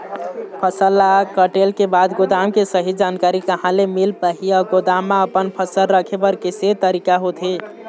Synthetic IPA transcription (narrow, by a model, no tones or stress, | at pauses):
pʰəsəlːakəʈelkebad̪ɡod̪amkesəɦid͡ʒankaɾikəɦãlemilpəɦiɔɡod̪amːaəpənpʰəsəlɾəkʰebəɾkeset̪əɾikaɦot̪ʰe